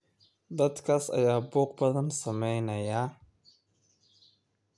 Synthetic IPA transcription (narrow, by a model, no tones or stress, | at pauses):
d̪ɐd̪kʰaːsɐ̰jaːbuːq̚bɐðɐnsɐmɛjnɐjaː